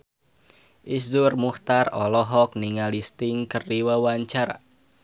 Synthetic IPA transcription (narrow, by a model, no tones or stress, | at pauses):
ʔisdurmuht̪arɔlɔɦɔk̚niŋalist̪iŋkərdiwawaɲt͡ʃaɾa̰